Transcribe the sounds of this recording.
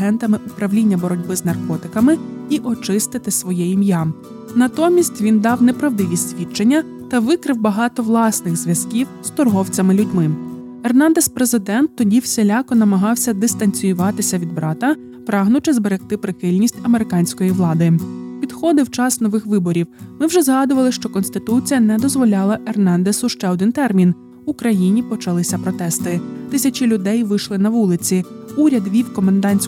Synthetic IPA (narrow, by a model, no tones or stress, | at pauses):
ɦɛnt̪ɐmɪʔʊpɾɐʋwlʲinʲːɐbɔɾɔdʲbɪznɐrkɔt̪ɪ̥kɐmɪiʔɔt͡ʃɪst̪ɪt̪ɪsʋɔjɛimja | nɐt̪ɔmʲisʲtʲʋʲind̪ɑwnɛpɾɐʋd̪ɪʋʲisʲsʲʋʲit͡ʃenʲːɐ | t̪ɐʋɪkɾɪwbɐɦɑt̪ɔʋlˠɑsnɪɣzʲʋʲjɐz̥kʲiwz̥t̪ɔrɦɔwt͡sʲɐmɪlʲʊdʲmɪ | ɛrnɑnd̪ɛspɾezɪd̪ɛnt̪ːɔdʲiwsʲelʲɑkɔnɐmɐɦɑwsʲɐd̪ɪst̪ɐnʲt͡sʲʊjʊʋɑt̪ɪsʲɐʋʲid̪̚bɾɑt̪ɐ | pɾɑɦnʊt͡ʃɪzbeɾext̪ɪpɾɪxɪlʲnʲisʲtʲɐmeɾɪkɑnʲsʲkɔjiʋlˠɑd̪ɪpʲid̪xɔd̪ɪwt͡ʃɑsnɔʋɪxʋɪbɔɾʲiwmɪwʒɛzɦɑd̪ʊʋɐlˠɪʃt͡ʃɔkɔnst̪ɪt̪ut͡sʲijɐnɛd̪ɔzʋɔlʲɑlˠɐʔernɑnd̪esʊʃt͡ʃɛɔd̪ɪnt̪ɛrmʲin | ʊkɾɐjinʲipɔt͡ʃɐlˠɪsʲɐpɾɔt̪ɛst̪ɪt̪ɪsʲɐt͡ʃɪlʲʊd̪ɛjʋɪʃlˠɪnɐʋulˠɪt͡sʲiuɾʲɐd̪ʋʲiwkɔmɐnd̪ɑnʲsʲ